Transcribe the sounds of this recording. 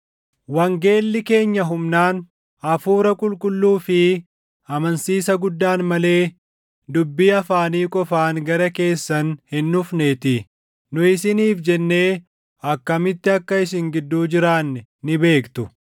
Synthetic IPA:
wɐŋɡe̞ːlːɪke̞ːɲːɐɦʊmnaːn | ɐfuːɾɐkʼʊlkʼʊlːuːfɪ | ɐmɐnsiːsɐɡʊd̪ːaːnmɐle̞ː | d̪ʊbːiːɐfaːniːkʼɔfaːŋɡɐɾɐke̞ːsːɐnhɪnːʊfneːt̪ɪ | nʊɪsɪniːfd͡ʒɛnːe̞ː | ɐkːɐmɪt̪ːɪɐkːɐɪs̬ɪŋɡɪd̪ːuːd͡ʒɪɾaːnːɪnɪbe̞ːkt̪ʊ

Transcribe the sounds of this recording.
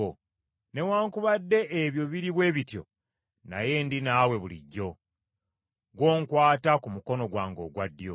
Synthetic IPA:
o | ne̞waːŋkuβadːe̞ʔːβjo̞βiɾiβwe̞ːβitjo̞̰ | na̰je̞ndinawe̞βulḭɟːo̞ | ɡwo̞ːŋkwaːtakumuko̞no̞ɡwaːŋɡo̞ːɡwadːjo

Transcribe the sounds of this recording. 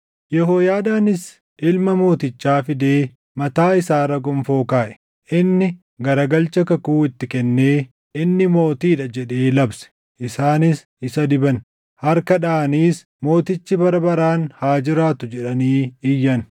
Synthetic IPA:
jɛɦoːjaːd̪aːnɪs | ʔɪlmɐmo̞ːt̪ɪt͡ʃːaːfɪd̪e̞ː | mɐt̪aːɪsaːɾɐɡʼʊmfo̞ːkaːʔɛ̥ | ʔɪnːɪ | ɡɐɾɐɡɐlt͡ʃɐkɐkuːɪt̪ːɪkɛnːeː | ɪnːɪmo̞ːt̪iːᶑɐd͡ʒɛᶑe̞ːlɐbsɛ̥ | ʔɪsaːnɪs | ɪsɐd̪ɪbɐn | hɐɾkɐᶑaːniːs | mo̞ːt̪ɪt͡ʃːɪbɐɾɐbɐɾaːnhaːd͡ʒɪɾaːt̪ʊd͡ʒɛᶑɐniːɪjːɐn

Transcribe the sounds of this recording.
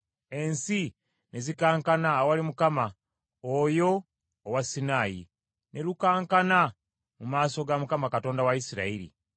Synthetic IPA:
e̞nsi | ne̞zikaːŋkanawalimukama | ojo̞ː | wasːinaːjḭ | nʔe̞lukaːŋkana | mumaːso̞ɡamukamakato̞ːndawaisiɾa̰iɾḭ

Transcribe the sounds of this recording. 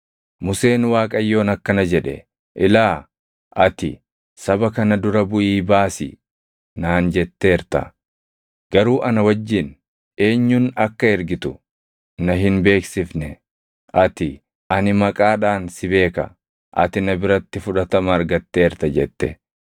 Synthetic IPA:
mʊse̞ːnwaːkʼɐjːo̞ːnɐkːɐnɐd͡ʒɛᶑɛ̰ | ʔɪlaː | ʔɐt̪ɪ̰ | sɐbɐkɐnɐd̪ʊɾɐbʊʔiːbaːsɪ̰ | naːnd͡ʒɛt̪ːe̞ːɾt̪ɐ̰ | ɡ̥ɐɾuːʔɐnɐwɐd͡ʒːɪn | e̞ːɲːʊnɐkːɐɛɾɡɪt̪ʊ | nɐɦɪnbe̞ːksɪfnɛ | ʔɐt̪ɪ | ʔɐnɪmɐkʼaːᶑaːnsɪbe̞ːkɐ̰ | ʔɐ̰t̪ɪnɐbɪɾɐt̪ːɪfʊᶑɐt̪ɐmɐːɾɡɐt̪ːe̞ːɾt̪ɐd͡ʒɛt̪ːɛ̰

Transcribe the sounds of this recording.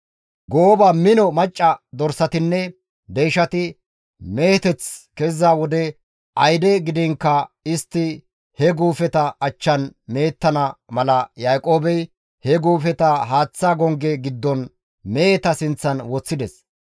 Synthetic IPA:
ɡoːbɐmɪnɔmɐt͡ʃʼːɐd̪ɔɾsɐt̪ɪnːɛ | d̪ejʃɐt̪ɪ | meːt̪ɛt͡skɛzːaːwɔd̪ɛ | ʔɐjd̪ɛɡɪd̪ɪŋkːɐɪst̪ːɪ | hɛɡuːfɛt̪ɐɐt͡ʃːɐnmeːt̪ːɐnɐmɐlɐjaːkʼo̞ːbɛj | hɛɡuːfɛt̪ɐɦaːt͡sːaːɡɔŋɡɛɡɪd̪ːɔn | meːt̪ɐsɪnt͡sːɐnwɔt͡sːɪd̪ɛs

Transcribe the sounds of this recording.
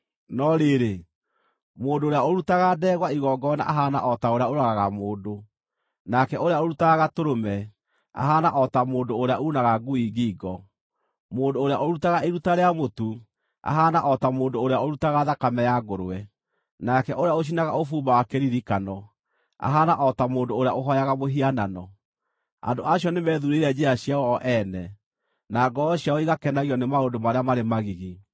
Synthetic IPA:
nɔɾeːɾe | moːndoːɾeaoɾutaɣadɛːɣwaiɣɔːɡɔna̰ʔaɦana̰ʔɔtaoɾeaoɾaɣaɣamoːndo | nakɛoɾeaoɾutaɣaɣatoɾomɛ | a̰ɦaːnaʔɔtamoːndoːɾeaʔunaɣaɡuiɡiːɡɔ | moːndoːɾeaʔoɾutaɣaeɾutaɾeamotu | a̰ɦanaʔɔtamoːndoːɾeaoɾutaɣaðakamɛjaɡoɾoɛ | nakɛʔoɾeaoɕ̬inaɣaofuːmawakeɾiɾikanɔ | a̰ɦanaʔɔtamoːndoːɾaoɦɔjaɣamoɦiananɔ | a̰ndoaɕjɔnemɛðuɾeɾɛd͡ʒɛaɕiawɔɔʔɛnɛ | naɡɔɔɕiaɔiɣakɛnaɣiɔnemaondomaɾeamaɾemaɣiɣi

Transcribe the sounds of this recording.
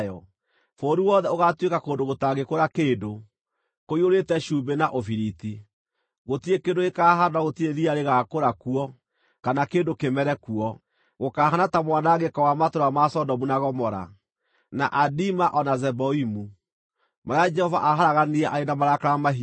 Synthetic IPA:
jɔ | foːɾuwɔːðɛoɣatwekakoːndoɣotaɣekoɾakeːdo | koioɾetɛʃuːbenaʔofiɾiti | ɣotiekendoekaːɦanoaɣotieðiaɾeɣakoɾakuɔ | kanakeːndokemɛɾɛkuɔ | ɣokaːɦanatamwanaɣekɔwamatoɾamasɔdɔmunaɣɔmɔɾa̰ | naʔadimaʔɔnazɛbɔimu | maɾead͡ʒɛhɔva̰ʔaɦaɾaɣaniɛʔaenamaɾakaɾamaɦi

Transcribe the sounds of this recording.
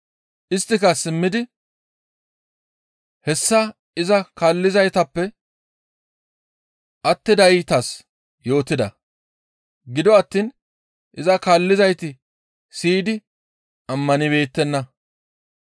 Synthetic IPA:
ʔɪst̪ːɪkɐsɪmːɪd̪ɪ | hɛsːɐ | ɪzɐkaːlːɪzɐjt̪ɐpːɛ | ʔɐt̪ːɪd̪ɐɪt̪ɐs | jo̞ːt̪ːɪd̪ɐ̰ | ɡɪd̪ɔɐt̪ːiːn | ʔɪzɐkaːlːɪzɐjt̪ɪ | siːd̪ɪ | ɐmːɐnɪβe̞ːt̪ːɛnːɐ

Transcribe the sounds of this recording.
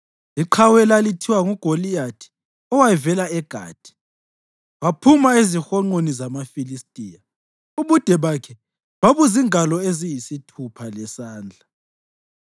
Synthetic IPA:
liǃʰawɛlalitʰiwaŋuɡ̥ʱolijatʰi̥ | ɔwajvɛlaɛɡ̥ʱa̰ːd̥ʱi̥ | βapʰumaezixɔŋ͡ǃonizamafilistʼiːja | uβud̥ʱɛβakʰɛ | βaβuziŋalɔezijisitʰupʰalɛsaːnd͡ɮʱa

